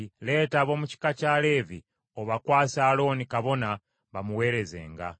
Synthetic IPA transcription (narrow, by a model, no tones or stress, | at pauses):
le̞ːtaːβo̞ːmuci̥kacaːle̞vi | oβakwaːsaːlo̞ːnikaβo̞na | βamuwe̞ːɾe̞ze̞̰ːŋɡa̰